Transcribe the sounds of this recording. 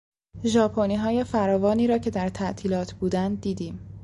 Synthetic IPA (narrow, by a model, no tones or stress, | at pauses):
ʒɒːpʰoniːɦɒːje̞fæɾɒːvɒːniːɾɒːcʰe̞d̪æɾt̪ʰæʔt̪ʰiːlɒːt̪ʰbuːd̪ænd̪̚d̪iːd̪iːm